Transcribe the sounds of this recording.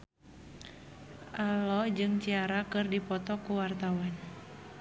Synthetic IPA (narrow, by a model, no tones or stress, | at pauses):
ʔalɔd͡ʒɨŋt͡ʃiaɾakɨrdipɔt̪ɔkuwart̪awan